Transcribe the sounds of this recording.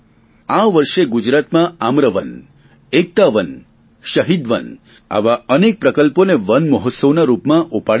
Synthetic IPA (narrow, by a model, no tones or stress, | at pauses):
aʋəɾʃeɡud͡ʒɾat̪mãamɾəʋən | ek̚t̪aʋən | ʃəɦid̪ʋən | a̰ʋaənek̚pɾəkəlponeʋənməɦɔt̪səʋnaɾupmãʔupaɽ